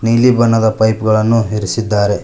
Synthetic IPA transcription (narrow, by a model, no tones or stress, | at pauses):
niːlibɐnːɐd̪ɐpɐjpɡɐɭɐnːuɦiɾisid̪ːaːɾe̞